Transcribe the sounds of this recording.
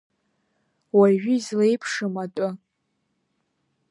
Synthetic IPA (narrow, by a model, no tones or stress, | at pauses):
waʒᶣʏzlejpʰʂɨmatʼʊ